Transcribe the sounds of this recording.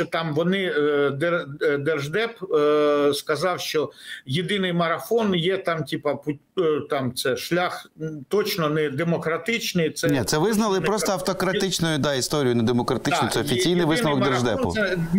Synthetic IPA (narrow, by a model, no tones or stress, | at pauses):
ɔt̪ɑmʋɔnɪd̪ed̪erʒd̪ɛp | skɐzɑwʃt͡ʃɔjid̪ɪnɪjmɐɾɐfɔnjɛt̪ɑmtʲipɐpʊt̪ɑmt̪sɛʃlʲaxt̪ɔt͡ʃnɔnɛd̪emɔkɾɐt̪ɪt͡ʃnɪjt̪sɛnʲɛt̪sɛʋɪznɐlˠɪppɾɔst̪ɔɐft̪ɔkɾɐt̪ɪt͡ʃnɔjʊd̪ɑist̪ɔɾʲijʊnɛd̪emɔkɾɐt̪ɪt͡ʃnsɛɔfʲisʲijnɪjʋɪsɐʋɔkmd̪eʒd̪ɛnpʊ̰ɛ